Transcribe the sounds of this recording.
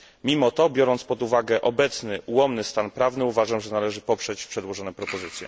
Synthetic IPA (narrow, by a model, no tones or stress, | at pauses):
mʲimɔt̪ɔbʲjɔɾɔnt̪spɔd̪uvaɡɛʔɔbɛt̪snɘʔuwɔmnɘst̪anpɾavnɘuvaʐamʐɛnalɛʐɘpɔpʂɛt͡ɕpʂɛd̪wɔʐɔnɛpɾɔpɔzɘt̪sʲjɛ̰